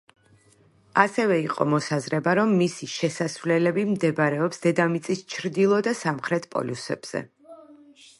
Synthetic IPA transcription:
asɛvɛiqʼɔ̰mɔsazɾɛbaɾɔmːisiʃɛsasvlɛlɛbimd̪ɛbɾɛɔpsd̪ɛd̪amit̪sʼist͡ʃʰɾd̪ilˠɔd̪asamχɾɛt̪ʰpʼɔ̰lusɛ̰b̥z̥ɛ̰

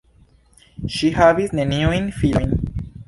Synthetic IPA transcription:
ʃihavisneniojnfiojn

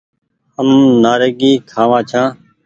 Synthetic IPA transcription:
əmnaːɾeːɡiːkʰaːʋãːt͡ʃʰãː

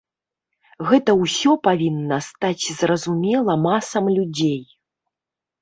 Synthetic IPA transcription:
ɣɛt̪ɐwsʲɔpavʲinːɐst̪at͡sʲzrɐzumʲɛlˠɐmasɐmlʲud͡zʲej

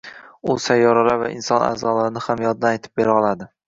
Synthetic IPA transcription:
ʊsajːɒɾalava̰ʔɪ̰nsɒna̰ːzɒlaɾɪnɪhamjɒd̪d̪anajt̪ʰɪp̚beɾaɒlˠad̪ɪ

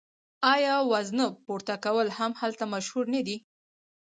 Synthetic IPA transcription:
ɑjɑwaznəpoɾt̪akawəlhamhalt̪amaʃhuɾnad̪i

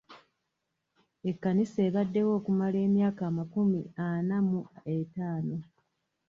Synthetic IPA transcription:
e̞kːanise̞ːβadːe̞wo̞ːkumale̞ːmjaːkaːmakumianamuetaːno̞

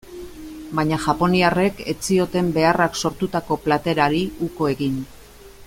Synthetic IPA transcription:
bajɲaʝapo̞niare̞ke̞t͡sio̞t̪e̞mbe̞arakso̞ɾt̪ut̪ako̞plat̪e̞ɾaɾiuko̞e̞ɣin

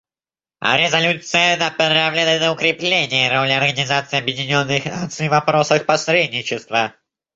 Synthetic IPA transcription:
a̰ɾʲɪzɐlʲut̪sɨjənɐpɾavlʲɪnənəʊkɾʲɪplʲenʲɪjəɾolʲɪɐrɡənʲɪzat̪sɨɪɐbjɪdʲɪnʲo̞nːɨxnat̪sɨjvɐpɾosəxpɐsɾʲedʲnʲɪt͡ɕɪst̪və

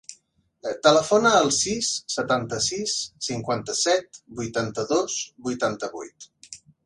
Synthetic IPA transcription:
t̪ələfonəːlˠsisːət̪ant̪əsisːiŋkwant̪əsɛt̪̚bujt̪ant̪əðozbujt̪ant̪əβṵjt̪

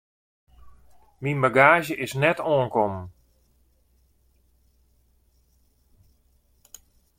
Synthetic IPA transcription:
minbaɡaːʒjəʔɪsnɛtoənkɔmn

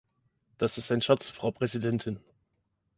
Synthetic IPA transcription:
d̥asɪstaɪnʃat͡sfʁ̥aʊpʁ̥ɛzidɛntʰɪn

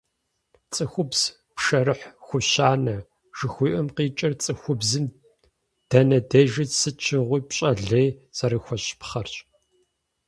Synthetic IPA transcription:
t͡sʼɨxʷʊbz̥ | pʂɐɾɨħxʷʊɕaːnɐ | ʒ̥ɨxʷiːʔɐmqiːt͡ʃʼɪrt͡sʼɨxʷʊbzɨm | d̥ɐnɐdɐʒɐsɨt͡ʃʰɪʁʷiːpɕʼɐɮɐjz̥ɐɾɨxʷɔɕpχɐrt͡ʃʼ

